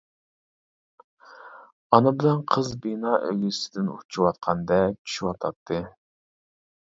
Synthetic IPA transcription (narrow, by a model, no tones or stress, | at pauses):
ɑnɨbɪlɛnqʰəzbinɑːʔøɡʲɪsɪd̪ɪnṵt͡ʃʰuwɑt̪̚qʰɑnd̪ɛt͡ʃʲʰy̥ʃywɑt̪ʰɑt̪ʰːɨ